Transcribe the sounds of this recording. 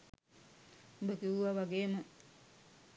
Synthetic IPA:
bəkiuʋaʋaɡeːmə

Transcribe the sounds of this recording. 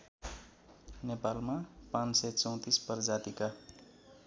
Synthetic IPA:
nepalmapãnsʌt͡sʌ̃w̃t̪isbʌrd͡zat̪ika

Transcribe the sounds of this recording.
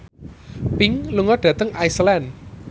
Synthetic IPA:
pɪŋluŋɔɖ̥ä̤t̪əŋajslɛn

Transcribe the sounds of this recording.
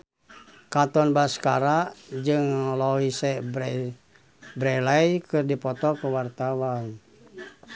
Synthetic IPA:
kat̪ɔnbaskaɾaʔd͡ʒɨŋlɔɦisɛ | bɾɛlajkɨrdipɔt̪ɔkəwart̪awan

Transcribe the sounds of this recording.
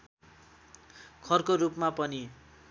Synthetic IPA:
kʰʌrkoɾupmapʌni

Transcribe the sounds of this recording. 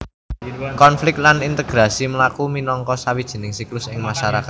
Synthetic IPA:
kɔnflɪk̚t̪lanint̪əɡ̥ɾasiməlakuminɔŋkɔsawid̥ʒ̥ə̤nɪŋsiklʊsɪŋmaʃaɾakat̪̚

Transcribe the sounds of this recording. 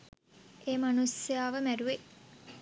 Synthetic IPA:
eːmanusjaːʋəmæɾuʋe

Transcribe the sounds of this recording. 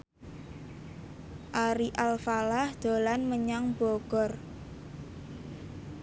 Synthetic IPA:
ʔaɾiʔalfalahd̪̥o̤lanməɲaŋb̥ɔɡ̥ɔ̤r

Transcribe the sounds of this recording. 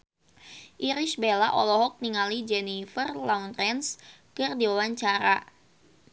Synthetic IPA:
ʔiɾisbelaʔɔlɔɦɔk̚niŋalid͡ʒɛnifərlaunrɛns | kɨrdiwawaɲt͡ʃaɾa

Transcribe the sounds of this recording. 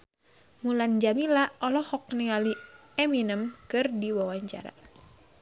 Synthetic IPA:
muland͡ʒamilaɔlɔhɔk̚niŋaliɛminəmkɨrdiwawaɲt͡ʃa̰ɾa̰

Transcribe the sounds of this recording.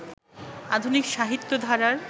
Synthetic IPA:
ad̪ʱunikʃaɦit̪ːod̪ʱaɾaɾ

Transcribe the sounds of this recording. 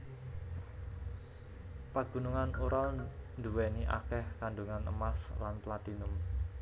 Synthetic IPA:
paɡ̥ṳnuŋanuɾalnd̪uwɛniʔa̰kɛhkaɳɖuŋanʔə̰maslanplat̪inʊm

